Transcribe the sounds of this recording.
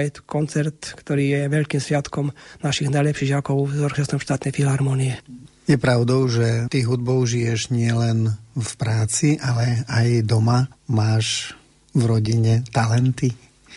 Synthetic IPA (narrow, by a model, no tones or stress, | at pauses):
jɛt̪ɔ̥kɔnt͡sɛɾt̪kt̪ɔɾiːjɛʋɛʎkiːmsʋɪat̪kɔmnaʃiɣnajlɛpʃiːɣakɔʊzɔɾxɛst̪ɔmʃt̪aːt̪nɛjfilɦaɾmɔniɛ | jɛpɾaʊd̪ɔʊʒɛt̪iɦud̪bɔʊʒijɛʒɲɪɛlɛnfpɾaːt͡siʔalɛajd̪ɔmamaːʃ | vɾɔɟiɲɛt̪alɛnt̪i